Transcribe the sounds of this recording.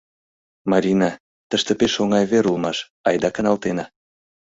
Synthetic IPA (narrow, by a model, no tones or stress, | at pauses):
mɑɾʲinɑ | t̪əʃt̪ĕpeʃoŋɑjβeɾulˠmɑʃ | ɑjd̪ɑkə̆nɑlt̪enɑ